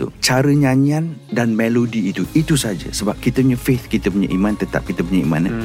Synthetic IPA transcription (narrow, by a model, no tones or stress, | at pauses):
ṵt͡ʃaɾəɲãɲiandanmelodiːt̪uit̪usad͡ʒə̰səbap̚kit̪əpuɲafet̪̚kit̪əpuɲa̰ʔimãnt̪ət̪a̰p̚kit̪əpuɲaḭmã̰nə̰